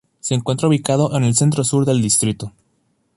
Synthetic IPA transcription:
se̞ːŋkwe̞nt̪ɾauβikað̞o̞ʔene̞lse̞nt̪̬ɾosuɾðe̞ld̪ist̪ɾit̪o

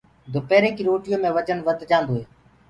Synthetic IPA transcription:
d̪ʱʊpeːɾeːkiːɾoːʈɪjõːmẽːʋət͡ʃənʋəd̪ʱd͡ʒãːnd̪oːɦeː

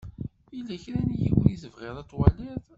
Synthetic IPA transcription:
ilːæçɾænjḭwnisəvʁeðˤæt͡sːwælɪðˤ

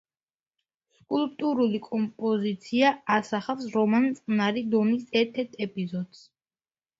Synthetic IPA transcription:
skʼulp̚ʼt̪ʼuɾulikʼɔmpʼɔzit̪sʰiaasaχafsɾɔmant̪sʼnaɾid̪ɔmisɛɾt̪ʰɛt̪ʰɛpʼizɔd̪s

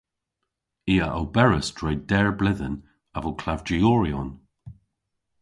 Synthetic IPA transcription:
iːəʔawbɛɹəsd̥ɹɛːdɛɹblɪðən | avəlkʰl̥avd͡ʒiɔːɹiɔn

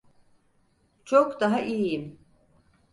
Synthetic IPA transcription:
t͡ʃʰokd̪aɦaʔijijim

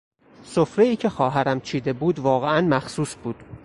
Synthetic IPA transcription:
sofɾe̞iːcʰe̞xɒːɦæɾæmt͡ʃʰiːd̪e̞buːd̪vɒːɣeænmæxsuːsbuːd̪̥

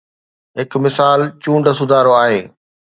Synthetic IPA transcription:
ɦɪkmɪsaːlt͡ɕũːɳɖəsʊd̪ʱaːɾoaːɦeː

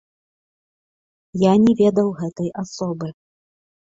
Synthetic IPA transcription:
janʲɛvʲɛd̪ɐwɣɛt̪ɐjʔasɔbɨ

